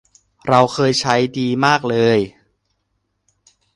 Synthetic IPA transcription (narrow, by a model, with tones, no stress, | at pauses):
ɾa˧wxʰɤː˧jt͡ɕʰa˦˥jdiː˧maː˥˩k̚lɤː˧j